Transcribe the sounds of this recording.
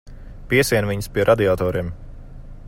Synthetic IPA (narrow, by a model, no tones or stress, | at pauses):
piɛsiɛnviɲspiɛɾʔad̪iaːt̪ɔːɾʔiɛm